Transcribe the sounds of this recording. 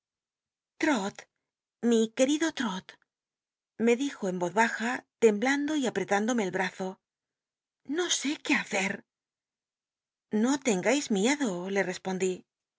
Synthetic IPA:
t̪ɾot̪ | mike̞ɾiðot̪ɾot̪ | me̞ðixo̞embo̞ðβaxat̪e̞mbland̪o̞iapɾe̞t̪and̪ome̞ːlβɾaθo̞ | no̞se̞ke̞aθeɾ | no̞t̪e̞ŋɡajzmjeðole̞re̞spo̞nd̪i

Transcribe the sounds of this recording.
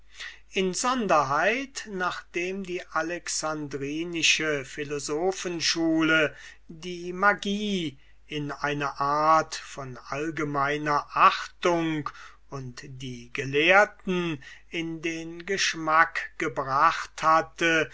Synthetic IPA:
ʔɪnzɔndɐɦaɪtnaːχd̥eːmdiːʔalɛksandʁiːnɪʃəfɪlozoːfənʃuːlə | diːmaɡiː | ɪnaɪnɐʔaːɐtfɔnʔalɡəmaɪnɐʔaχtʊŋk | ʊntd̥iːɡəleːɐtn̩ɪndeːnɡəʃmakɡ̥əbʁaχthatə

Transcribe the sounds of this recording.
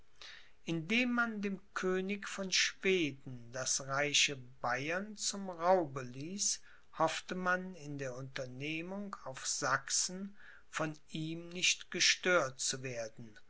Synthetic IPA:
ʔɪndeːmːandeːmkʰøːnɪkfɔnʃv̥eːdn̩dasʁaɪɕəbajɐnt͡sʊmʁaʊbəliːs | hɔftəmanɪndeːɐʊntɐneːmʊŋkaʊfz̥aksn̩ | fɔniːmnɪçtɡ̥əʃtøːɐtt͡suveːɐdn̩

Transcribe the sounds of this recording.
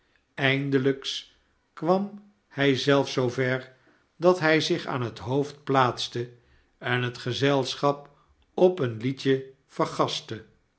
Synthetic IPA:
ɛjndələks | kʋɑm | hɛjzɛlˠfsowvɛɹ | dɑtɦɛjzɪχa̰ːnɦətɦowft̚plaːtstə | ɛnɦətχəzɛlˠsχɑp̚ | ɔpənlicə | v̥əɹχɑstə

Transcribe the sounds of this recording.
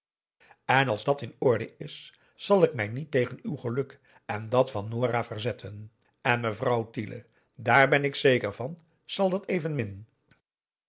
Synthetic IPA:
ɛnɑlˠzdɑtɪnɔɹdə̰ɪsː | ɑlˠɪkmɛjnitejχənywχəlɵk | ɛndɑtfɑnːoːraːvərzɛtʰən | ɛnməvrɑwtilʔə̰ | daːɹbɛnɪksejkəɹv̥ɑn | z̥ɑlˠdɑtejvənmɪn

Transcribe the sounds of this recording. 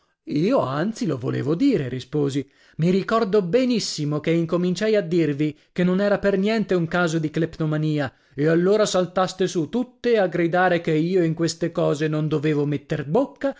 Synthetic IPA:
iːoa̰nt̪silovo̰lḛːvod̪iːɾeɾispoːzi | miɾikɔrd̪obenisːimokeiŋkomint͡ʃajad̪ːirvi | kenːonɛːɾapernjɛnt̪euŋkaːzod̪iklept̪omaniːa | ealːoːɾasalt̪ast̪esut̪ut̪ːeaɡɾid̪aːɾekeiːoiŋkwest̪ekɔːzenond̪oveːvomet̪ːerbokːa

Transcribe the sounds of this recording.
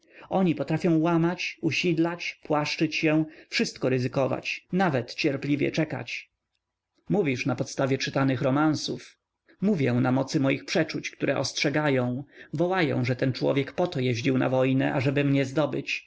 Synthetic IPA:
ɔɲipɔt̪ɾafʲjɔ̃w̃wamat͡ɕuɕid̪lat͡ɕpwaʂt͡ʂɘt͡ɕɕɛw̃fʂɘst̪̚kɔɾɘzɘkɔva̰t͡ɕnavɛt̪t͡ɕɛɾplʲivʲjɛ̰t͡ʂɛka̰t͡ɕ | muvʲiʂnapɔt̪st̪avʲjɛt͡ʂɘt̪anɘxɾɔmansuf | muvʲjɛw̃namɔt̪sɘmɔjixpʂɛt͡ʂut͡ɕkt̪uɾʔɛʔɔstʂɛɡajɔ̃w̃vɔwajɔ̰̃w̃ʐɛt̪ɛnt͡ʂwɔ̰vʲjɛkpɔt̪ɔjɛʑd͡ʑiwna̰vɔjnɛ̰ʔaʐɛbɘmɲɛzd̪ɔbɘt͡ɕ

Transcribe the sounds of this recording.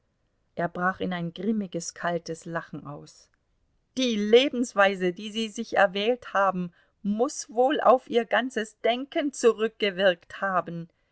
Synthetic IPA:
ʔeːɐbʁaːχɪnaɪnɡʁɪmɪɡəskʰaltəslaχn̩ʔaʊs | d̥iːleːbm̩sv̥aɪzədiːziːzɪçɛ̰ɐvɛːlthaːbm̩ | mʊsvoːlʔa̰ʊfʔiːɐɡant͡səsd̥ɛŋkənt͡suʁʏk̚ɡ̥əvɪɐkthaːbn̩

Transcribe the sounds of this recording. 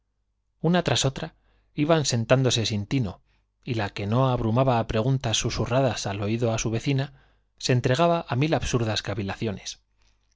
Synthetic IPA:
unat̪ɾaso̞t̪ɾa | iβanse̞nt̪and̪o̞se̞sint̪ino̞̰ | ilake̞no̞aβɾumaβaːpɾe̞ɣ̞unt̪asːusuraðasalo̞iðo̞asuβe̞θina | se̞nt̪ɾe̞ɣ̞aβaʔamilaβsuɾðaskaβilaθjo̞ne̞s

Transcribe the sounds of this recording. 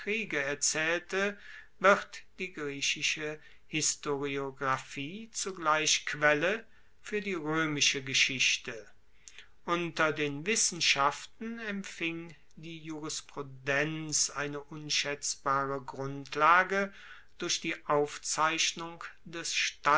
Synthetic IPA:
ʁ̥iːɡəɛɐt͡sɛːltəvɪχtd̥iːɡʁiːʃɪʃə | hɪstoʁioɡʁafiːt͡suɡlaɪʃkv̥ɛlə | fyːɐdiːʁøːmɪʃəɡəʃɪçtə | ʔʊntɐdeːnvɪsn̩ʃaftn̩ɛmpfɪŋ | diːjuʁɪspʁ̥udɛnt͡sʔaɪnəʔʊnʃɛt͡sb̥aːʁəɡʁʊntʰlaːɡə | d̥ʊɐçd̥iːʔaʊft͡saɪʃnʊŋd̥ɛsʃta

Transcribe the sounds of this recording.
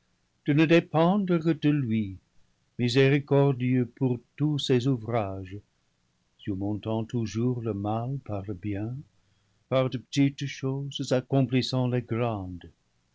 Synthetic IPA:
d̪̥ənəd̪epɑ̃d̪ʁəkəd̪̥əlɥi | mizeʁikɔʁd̪jøpuʁt̪usezuvʁaʒ | syʁmɔ̃t̪ɑ̃t̪uʒuʁləmalpaʁləbjɛ̃ | paʁd̪əpə̥t̪itʃozzakɔ̃plisɑ̃leɡrɑ̃d̪

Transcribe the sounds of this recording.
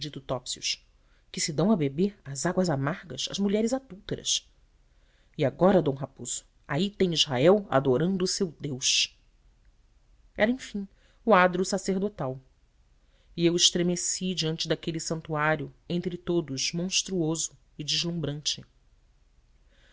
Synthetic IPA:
d͡ʒit̪ʊt̪ɔpsiʊ̰ʃ | kɪsɪd̪ɐ̃w̃ɐbebeɾɐzaɡwɐzamaɾɡɐsɐ̰zmuʎɛɾɪzad̪uwt̪eɾɐ̰s | iaɡɔɾɐd̪õw̃ɦapoz̥ʊ̥ | a̰it̪ẽj̃izɦaɛwa̰d̪oɾɐ̃nd̪ʊːsewd̪ewʃ | ɛɾɐẽfĩ | uad̪ɾusaseɾd̪ot̪aw | iewɪʃt̪ɾemesid͡ʒiɐ̃nt͡ʃɪd̪akelisɐ̃nt̪uaɾjʊẽnt̪ɾɪt̪od̪ʊʃmõʃt̪ɾuozʊ | ɪd͡ʒiʒlũbɾɐ̃nt͡ʃɪ

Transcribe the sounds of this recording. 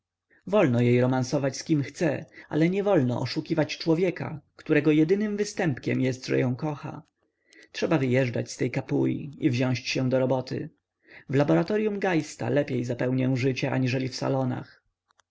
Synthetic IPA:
vɔlnɔjejɾɔmansɔvat͡ɕskʲimxt̪sɛa̰lɛɲɛvɔlnɔ̰ʔɔʂukʲivat͡ɕt͡ʂwɔvʲjɛka̰kt̪uɾɛɡɔjɛd̪ɘnɘmvɘst̪ɛmpkʲɛ̰mjɛst̪ʐɛ̰jɔ̃w̃kɔxa̰ | tʂɛbavɘjɛʐda̰t͡ɕst̪ɛjkapujʲḭivʑɔ̃w̃ɕt͡ɕɕɛd̪ɔɾɔbɔt̪ʰɘ̰ | vlabɔɾat̪ɔɾjumɡajst̪a̰lɛpʲjejzapɛwɲɛwʐɘt͡ɕɛʔaɲiʐɛlʲifsa̰lɔna̰x

